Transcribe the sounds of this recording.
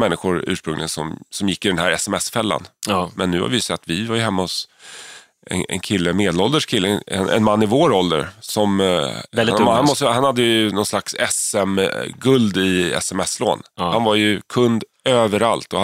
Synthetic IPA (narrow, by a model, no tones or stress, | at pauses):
mɛnːɪɧʊɾʉ̟ːʂpɾɵŋlɪɡsɔmsɔmjɪkːɪd̪ɛnhæɾɛsɛmɛsfɛlːa̰nmɛnːʉ̟ːha̰ɾvɪjɵsɛt̪ːvɪvaɾjɵɦɛmːaɔs | ɛ̰nɛ̰nkʰɪlːəmeːd̪əlɔld̪əʂkʰɪlːəɛ̰nɛ̰nmanːɪvoːɾɔld̪ə̰ɾsɔm | nhanmɔst̪əhanhad̪ːəjnɔnslaksɛsɛmɡɵld̪ɪɛ̰sɛmɛsːlo̰ːnhanvaɾjɵkʰɵnd̪ | øːvəɾalt̪ɔha